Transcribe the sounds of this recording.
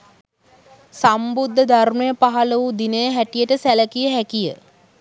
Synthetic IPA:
sambud̪ʱːəd̪ʱarmejəpaɦaləʋud̪inəjəɦæʈijəʈəsæləkijəɦækijə

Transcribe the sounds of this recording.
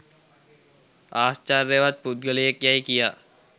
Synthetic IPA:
aːst͡ʃaːɾːeʋat̪̚pud̪̚ɡəliekjaːikijaː

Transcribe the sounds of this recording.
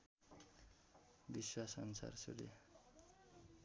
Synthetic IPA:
biswasʌnsa̰rsuɾḛ

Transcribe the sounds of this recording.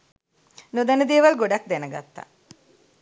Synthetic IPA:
nud̪ɐnəd̪ejʋɐlɡoɖak̚d̪enəɡa̰t̪ːa̰

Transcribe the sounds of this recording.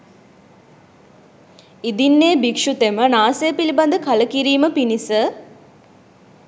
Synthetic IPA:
id̪inːeːbikʂut̪emənaːseːpiliband̪əkɐləkiɾiːməpinisə

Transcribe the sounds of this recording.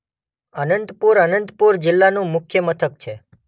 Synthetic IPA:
ənənt̪puɾənənt̪puɾd͡ʒɪlːanũmʊkʰjəmət̪ʰək̚t͡ʃʰe

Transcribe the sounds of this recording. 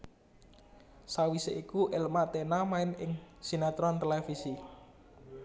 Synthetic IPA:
sawiseʔikuʔɪlmat̪enamaɪnɪŋsinat̪ɾɔnt̪elefisi

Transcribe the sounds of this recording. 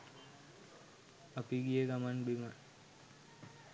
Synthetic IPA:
əpiɡijeɡamanbima

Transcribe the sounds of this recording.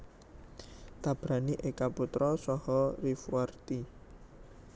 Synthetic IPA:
t̪ab̥ɾaniʔekaput̪ɾɔsɔhɔrifuwart̪i

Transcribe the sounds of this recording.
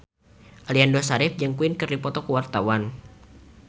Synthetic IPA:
ʔaliandosaɾɪfd͡ʒɨŋkuɪnkɨrdipɔt̪ɔkəwart̪awan

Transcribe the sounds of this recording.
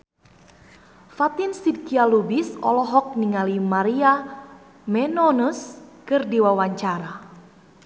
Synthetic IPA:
fat̪insid̚kialubisɔ̰lɔɦɔk̚niŋalimaɾia | mɛnɔnuskɨrdiwawaɲt͡ʃaɾa

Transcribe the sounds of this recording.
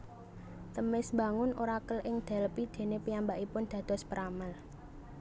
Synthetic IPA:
t̪əmɪsmba̤ŋʊnʔoɾakəlʔɪŋd̪̥ɛ̤lpid̪̥e̤nepiambaʔipʊnd̪̥ä̤d̪̥ɔ̤spəɾaməl

